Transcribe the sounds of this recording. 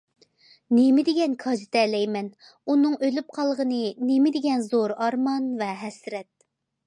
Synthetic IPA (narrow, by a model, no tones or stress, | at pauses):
nemɪd̪ɪɡʲɛnkʰɑd͡ʒɨt̪ʰɛlɛjmɛn | unɨŋʔølyp̚qʰɑlˠəʁənɨnemɪd̪ɪɡʲɛnzoɾɑɾmɑnvɛɦɛsɾɛt̪̚